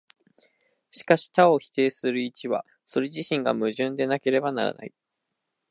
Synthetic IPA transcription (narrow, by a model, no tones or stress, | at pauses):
ɕi̥kaɕi̥t̪ao̞çi̥t̪e̞ːsɨɾɯ̟it͡ɕiβa̰ | so̞ɾe̞ʑiɕĩŋɡa̰mɯ̟ʑɨ̃nd̪e̞nake̞ɾe̞banaɾa̰na̰i